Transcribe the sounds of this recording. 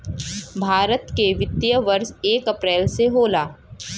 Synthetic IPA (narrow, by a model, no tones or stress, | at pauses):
bʱaːɾət̪keʋɪt̪jəʋɐɾseːkɐpɾɛːlseɦoːlaː